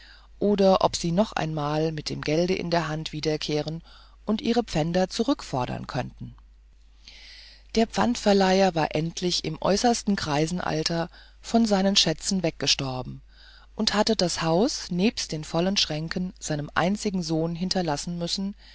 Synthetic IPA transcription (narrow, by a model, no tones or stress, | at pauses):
ʔoːdɐʔɔ̰pz̥iːnɔχʔa̰ɪnmaːlmɪt̚d̥ḛːmɡɛldəʔɪ̰ndeːɐɦantv̥iːdɐkʰeːʁ̞ən | ʔʊntʔiːʁ̞əp͡fɛndɐt͡suʁʏkfɔɐdɐ̰nkʰœntn̩ | d̥eːɐpp͡fantfɛɐlaɪɐvaːɐʔɛntʰlɪçɪ̰mʔɔ̰ʏsɐstn̩kʁ̥aɪzn̩ʔa̰ltʰɐ | fɔnzaɪnənʃɛt͡sn̩vɛk̚ɡ̥əʃtɔɐbm̩ | ʔʊnthatədashaʊsneːpst̚d̥eːnfɔlənʃʁ̥ɛŋkʰənz̥aɪnəmʔa̰ɪnt͡sɪɡŋ̩zoːnɦɪntɐlasn̩mʏsn̩